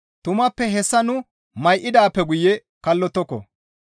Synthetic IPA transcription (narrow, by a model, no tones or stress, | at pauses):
t̪ʊmɐpːɛɦɛsːɐnʊ | mɐjʔɪd̪aːpːɛɡʊjɛ | kɐlːɔt̪ːɔkːɔ̰